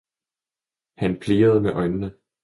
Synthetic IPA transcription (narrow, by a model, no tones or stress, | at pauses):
hænpʰle̝ːɐð̞ˠmeʔɒ̽ɪnnə